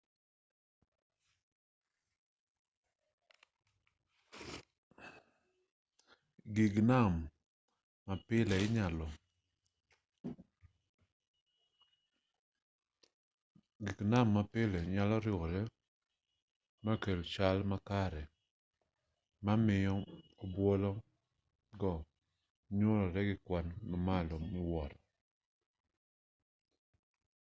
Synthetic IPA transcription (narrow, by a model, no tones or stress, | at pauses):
ɡiɡnamː | apɪlɛɪɲalɔ | ɡiknamːapɪlɛɲalɔɾɪoɾɛ | makelt͡ʃalmakaɾɛ | mamɪjɔobwɔlɔ | ɡɔ | ɲoɾɔɾɛɡɪkwanmamalɔmɪwɔɾɔ